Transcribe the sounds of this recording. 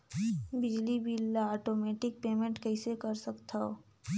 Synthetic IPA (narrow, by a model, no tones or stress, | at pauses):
bɪd͡ʒlibilaːʈoːmɛːʈɪk̚peːmẽɳʈkɛisekɐɾsɐkt̪aɦoː